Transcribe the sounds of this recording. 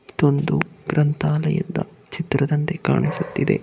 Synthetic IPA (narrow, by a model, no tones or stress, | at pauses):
t̪o̞nd̪uɡɾʔɐnt̪aːlɐjɐ̰d̪ːɐ̰ | t͡ʃit̪ɾɐd̪ɐnt̪eka̰ːɳisut̪ːid̪e̞̰